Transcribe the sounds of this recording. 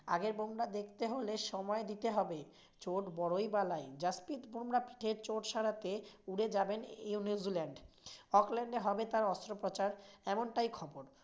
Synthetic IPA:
a̰ɡeɾbomɾad̪ekʰt̪eɦoleʃɔmɔed̪it̪eɦɔbe | t͡ɕoʈbɔɾojbalajd͡ʑaspit̪bomɾapi̥ʈʰeɾt͡ɕoʈʃaɾat̪euɽed͡ʑabenunizilɛɳɖ | ɔklɛɳɖeɦɔbet̪aɾɔst̪ɾopɾot͡ɕaɾɛmonʈajkʰɔboɾ

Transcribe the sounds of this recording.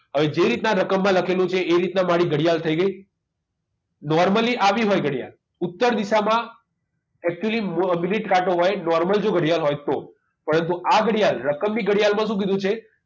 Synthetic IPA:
ɦəʋed͡ʒeɾit̪naɾəkəmːãləkʰelũt͡ʃʰeːɾit̪namaɽiɡəɽijalt̪ʰəiɡəj | nɔɾməliʔaʋiɦojɡəɽija̰l | ut̪ːəɾd̪isamã | ɛk̚t͡ʃuəlimmjuniʈkaʈoɦɔjnɔɾməld͡ʒoɡəɽjalɦojt̪o | pəɾənt̪uʔaɡəɽijalɾəkəmniɡəɽijalmãʃũk̬id̪ʱũt͡ʃʰe

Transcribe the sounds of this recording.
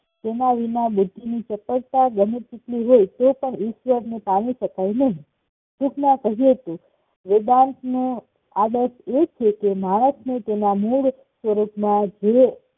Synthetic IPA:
t̪enaʋinabud̪ʱːinit͡ʃəpəɾt̪aɡəmitt͡ʃiʈliɦojt̪opəɳiʃʋəɾnepãniʃəkajnəɦĩ | tuknãkəɦijet̪o | ʋɪd̪ant̪nũ | aɖəset͡ʃʰekemaɽ̃əsnet̪enamuɭ | sʋəɾupmãd͡ʒe

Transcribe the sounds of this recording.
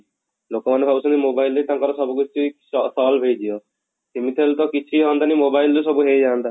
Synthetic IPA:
lokɔmanepʰabusɔ̃nd̪imoːbaild̪et̪ãːŋkɔɾɔsɔbukit͡ʃi | ɔsɔːlbʱed͡ʒijɔ | simit̪ʰelt̪ɔkit͡ʃʰiɦɔ̃nd̪animobaild̪us̬ɔbuɦed͡ʒaːnd̪a

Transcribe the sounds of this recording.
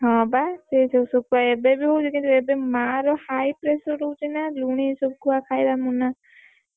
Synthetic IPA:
ɦɔ̃baset̪ʰewsukuaebebiɦowt͡ʃʰikĩnt̪uebemaɾɔhajpɾesɔʈowt͡ʃʰinaluɽ̃isokuakʰajd̪amuna

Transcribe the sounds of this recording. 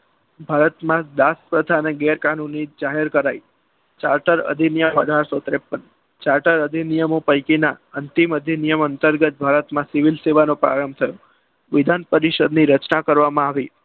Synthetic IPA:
bʱaɾət̪mãd̪aspɾəd̪ʱaneɡɛɾkanunːid͡ʒaɦeɾkəɾai | t͡ʃaɾʈəɾə̰d̪ʱinijəmə̰d̪ʱaɾsot̪ɾepːən | t͡ʃaɾʈəɾəd̪ʱinijəmopəjkinaənt̪iməd̪ʱinijəmənt̪əɾɡət̪̚bʱaɾət̪mãsɪʋilseʋanopɾa̰ɾəmbt̪ʰəjo | ʋɪd̪ʱanpəɾiʃəd̪niɾət͡ʃnakəɾʋamãaʋi

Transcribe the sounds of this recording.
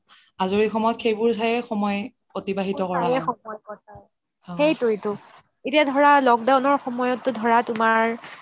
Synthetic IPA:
azoɹixɔmɔjɔtxejbʊɹs̬ajɛxɔmɔj | otibaɦitɔkɔɹaxɔmɔjkɔt̚a | xejtojtʊ | etijadʱɔɹalɔkdawnɔɹxɔmɔjɔtːʊdʱɔɹatʊmaɹ

